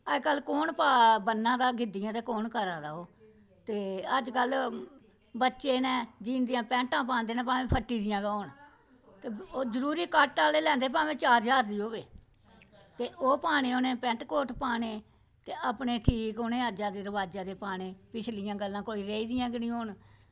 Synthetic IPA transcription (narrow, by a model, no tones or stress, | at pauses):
əd͡ʒkəlkoːnpaːbənːãːd̪aːɡɪd̪ɪjãːt̪eːkoːnkəɾaːd̪aːoː | t̪eːəd͡ʒkəl | bətːʃeːnɛ̃ːd͡ʒiːnd̪ɪjãːpɛ̃ːɳʈãːpãːnd̪eːnãːpãːʋẽːpʰəʈːiːd̪ɪjãːɡaoːɳ | t̪eːoːzəɾuːɾiːkaːʈːʈaːleːlɛ̃ːnd̪eːpãːʋẽːt͡ʃaːɾd͡ʒaːɾd̪iːɦoːʋeː | t̪eːʔoːpaːɽ̃eːoːnẽːpɛ̃ːɳʈkoːʈʰpaːɳeː | t̪eːʔəpɳeːʈʰiːkʊnẽːəd͡ʒãːd̪eːɾəʋaːd͡ʒãːd̪eːpaːɽ̃ẽːpɪt͡ʃʰlɪjãːɡəlːãːkoːiːɾeːiːd̪ɪjãːɡɪnĩːoːɳ